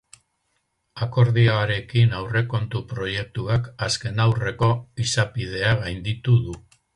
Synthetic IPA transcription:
ako̞ɾðiaɾe̞kinawre̞ko̞nt̪upɾo̞je̞k̚t̪uakaske̞nawre̞ko̞isapið̞e̞aɣajnd̪it̪uðu

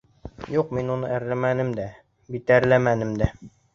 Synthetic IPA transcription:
juqminunɤæɾlæmænɘmd̪æ | bit̪æɾlæmænɘmd̪æ

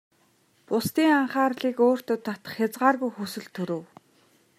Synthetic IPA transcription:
pʊst̪iːŋaɴχaːrɮiːkoːr̥t̪ʊt̪ːat̪ə̥̆χxʲat͡sʁaːrɣujxusɵ̆ɮt̪ʰɵɾɵ̆w

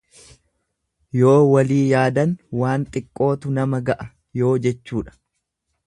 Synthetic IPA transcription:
jo̞ːwɐliːjaːd̪ɐnwaːnt̪ʼɪkʼːo̞ːt̪ʊnɐmɐɡɐʔɐ | jo̞ːd͡ʒɛt͡ʃːuːᶑɐ̥

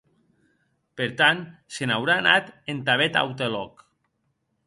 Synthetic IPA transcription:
peɾt̪ansenawɾaːna̰t̪ent̪aβ̞et̪a̰wt̪elɔk

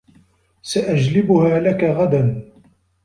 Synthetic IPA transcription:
saʔad͡ʒlɪbʊhaːlakaɣad̪an

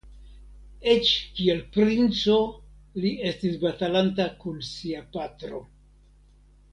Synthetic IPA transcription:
e̞t͡ʃkie̞lpɾint͡so̞lie̞stisbatalantakunsiapatɾo̞̰

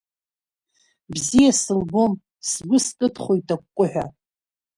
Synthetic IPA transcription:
bzijasɨlbo̞m | sɡʷʊskʼɨtʰχʷojtʰʼakʷːkʷʼʊħʷᶣa̰

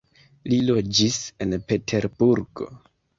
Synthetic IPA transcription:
lilo̞d͡ʒise̞npe̞tʰe̞ɾbuɾɡo̞̰

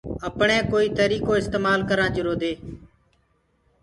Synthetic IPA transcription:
əpɳẽːkoːiːt̪əɾiːkoːɪst̪eːmaːlkəɾãːd͡ʒʊɾoːd̪eː

